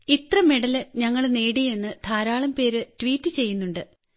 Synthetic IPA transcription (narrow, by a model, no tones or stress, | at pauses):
it̪rɐmeɽɐlɨɲɐŋːɐɭne̞ːɽije̞nːɨt̪ʰaːɾaːɭɐmpe̞ːɾɨʈʋiːtːɨt͡ɕe̞jːunːuɳɖɨ